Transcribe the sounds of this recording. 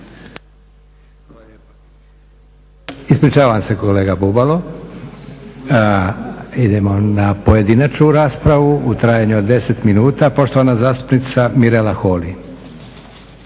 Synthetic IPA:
p | ispɾit͡ʃaːʋaamse̞ko̞le̞ːɡabubalo̞ | id̪e̞mo̞napoje̞d̪inat͡ʃnuɾaːspɾaʋuut̪ɾaːjaɲuod̪ːe̞se̞t̪minuːt̪apo̞ʃt̪o̞ʋanazaːst̪u̥pnit̪samiɾelaxo̞ːli

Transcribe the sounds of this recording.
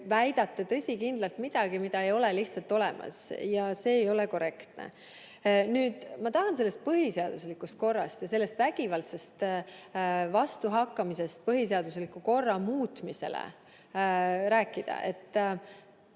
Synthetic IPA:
væjd̪̥ɑt̪ːˑet̪ɤ̞sʲikind̪lɑlt̪mid̪̥ɑɡ̥imid̪̥ɑejo̞le̞liht̪sɑlt̪o̞lɛmʔɑ̰sjɑse̞ːjo̞leko̞re̞kt̪nḛ | nyːd̪̥mɑt̪ɑɦɑnse̞lːe̞st̪̚pɤɦise̞ɑd̪̥uslikːˑust̪̚ko̞rːɑst̪jɑse̞lːe̞st̪væɡ̥ivɑlt̪se̞st̪ | vɑst̪uɦɑkːɑmise̞st̪̚pɤɦis̬e̞ɑd̪̥us̬likːˑuko̞rːɑmuːt̪mise̞̰lḛ | ɾæːkːˑid̪̥ɑ̰ʔe̞̰t̪ː

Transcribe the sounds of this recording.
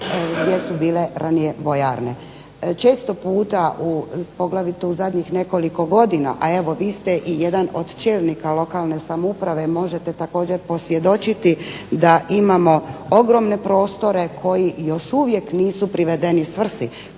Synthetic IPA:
ɡd̪jesubiːle̞ɾʔanije̞ʋo̞jaɾne̞ | t͡ʃe̞ːst̪o̞puːt̪aʔupo̞ɡlˠaʋit̪ɛuzad̪ɲixne̞ko̞liko̞ɡo̞d̪ina̰ʔae̞ʋo̞ʋiːst̪eʔijed̪anod̪t͡ʃeːlˠnikalo̞kalˠne̞samoupɾaʋe̞mo̞ʒe̞t̪et̪ako̞ːd͡ʑeɾpo̞sʋje̞d̪o̞t͡ʃit̪id̪aʔimamo̞oɡɾo̞mne̞pɾo̞ːst̪o̞ɾe̞kʰo̞jijo̞ʃuʋje̞kniːsupɾiʋe̞d̪e̞nisʋr̩si

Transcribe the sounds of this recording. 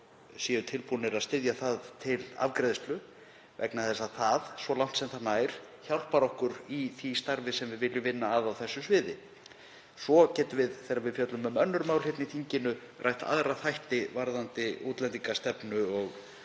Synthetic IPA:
siːʏt̪ʰɪlpunɪɾaðst̪ɪðjaθaðt̪ʰɪla̰vkɾɛðɪst̪lʏ | vɛ̰knaθɛsːaðθaðsvɔlawn̥t̪sɛmθanaːjɾ̥ | çawl̥paɾɔhkʏɾiθist̪aɾvɪsɛmvɪðvɪljʏvɪnːaːvawθɛsːʏsvɪːðɪ | svɔcɛːt̪ʏvɪðθejɾːavɪðfjœt̪lʏmʏmœnːʏɾmaːwlhɪp̪nɪθʰiɲcɪnʏ | rʔa̰jht̪a̰ðɾaθajht̪ɪvaɾðant̪ɪowt̪lɛnt̪iŋkast̪ɛpnʏɔɣ

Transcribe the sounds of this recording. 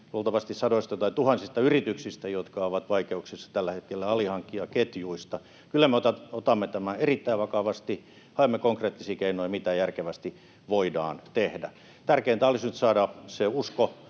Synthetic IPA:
lult̪ɑʋɑst̪issɑdoist̪ɑt̪ɑit̪uhɑnsist̪ɑyrit̪yksist̪æjot̪kɑoʋɑt̪ʋɑikeuksisːɑ̥t̪ælːæhet̪kelːæɑlihɑŋkːiɑket̪juist̪ɑ | kylːæmeot̪ɑot̪ɑmːet̪æmæerit̪ːæiʋʋɑkɑʋɑst̪i | hɑemːekoŋkreːt̪ːisiːkeinoiɑmit̪æjærkeʋæst̪i | ʋoidɑ̰ːnt̪ehdæ̰ | t̪ærkeiːnt̪æɑlisnyt̪sɑːdɑseusko

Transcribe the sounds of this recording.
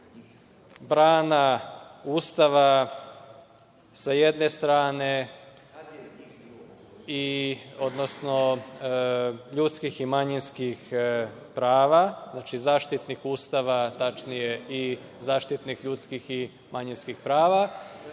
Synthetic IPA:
bɾaːnauːst̪aʋa | saje̞d̪ne̞st̪ɾaːne̞ | io̞d̪no̞sno̞ | ʎut̪skiximaɲinskixpɾaːʋaznaːt͡ʃizaːʃt̪it̪nixuːst̪aʋat̪at͡ʃnije̞i | zaːʃt̪it̪nixʎuːt̪skixi | maɲinskixpɾaːʋa

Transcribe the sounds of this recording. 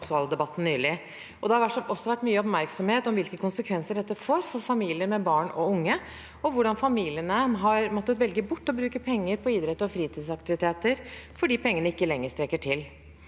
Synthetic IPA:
ksɑːləd̪ɛbɑt̪ːn̩nːyːlɪ | ʔɔd̪ɛhɑɾʋæʈʂɔsːɔʋæʈːmyːəɔpmæɾksɔmheːt̪ɔmʋɪlkəkʰʊnsəkʰʋɛnsəɖɛt̪ːəfoːɾfɔɾfɑmiːlɪəɾmɛbɑːɳɔ̰ʊŋːə | ɔʋʊɖɑnfɑmiːlɪənəɦɑɾmɔt̪ːət̪ʋɛlɡəbʊʈːɔbɾʉːkəpʰɛŋːəɾpʰɔiːd̪ɾɛt̪ːəɾɔfɾiːt̪ʰiːd̪sɑkt̪ɪʋɪt̪ʰeːt̪əɾfɔɖiːpʰɛŋːəɳəɪkːəlɛŋːəst̪ɾɛkːəʈʰɪl

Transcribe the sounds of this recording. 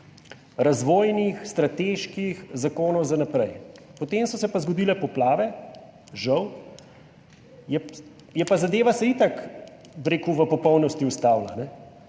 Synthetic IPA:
ɾazʋoːjnixst̪ɾat̪eːʃkixzakoːnɔwzanapɾɛjpɔt̪emsɔsɛpazɡɔd̪iːlɛpɔplaːʋɛ | ʒəw | jɛ | jɛpazad̪eːʋasɐit̪ak | bɾeːkuʋəpɔpɔwnɔst̪iust̪awlanɛ

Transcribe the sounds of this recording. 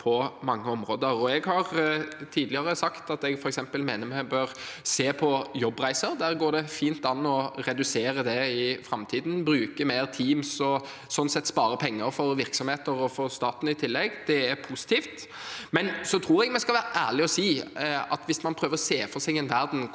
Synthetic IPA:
pʰɔmɑŋːəɔmɾoːd̪əɾɔɛɡhɑʁt̪ʰiːd̪lɪəɾəsɑkt̪ɑt̪ɛɡfɔɾɛksɛmpəlmeːnəɾmɛbøɾseːpʰɔjɔbːʁæɪsəɾd̪æːʁɡoːɖ̪ɛfiːnt̪ɑnːɔɾɛd̪ʉseːɾəd̪ɛɪfɾɑmt̪ʰiːd̪n̩bɾʉːkəmeɪʁt̪ʰiːmsɔ | sɔnsɛt̪ːspɑːɾəpʰɛŋːəɾfɔɾʋɪɾksɔmheːt̪əɾɔfɔst̪ɑːt̪n̩ɪt̪ʰɪlːɛɡd̪̥ɛæɾpʰusɪ̥t̪ʰiːft̪ | mɛnsɔt̪ʰɾuːɾɛɡmɛskɑlʋæːɾəʔæːʁlɪɔsiːɑt̪ʋɪsmɑnpʰɾøːʋəɾɔseːfɔsɛɡɛnʋæɾd̪n̩

